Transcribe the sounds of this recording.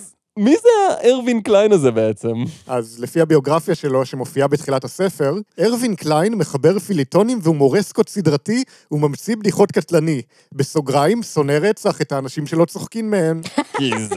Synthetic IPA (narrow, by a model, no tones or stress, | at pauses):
mizeaʔeʁvinklajnazebeet͡semʔazlefiabio̞ɡʁafjaʃe̞lo̞ʃemo̞fiabetχilathase̞fe̞ʁeʁvinklajnme̞χabe̞ʁfilito̞nimveumo̞ʁesko̞tsidʁati | umamt͡sibdiχo̞tkatlani | beso̞ɡʁaimso̞ne̞ʁet͡saχe̞taːnaʃimʃe̞lo̞t͡soχkimːehe̞nkiz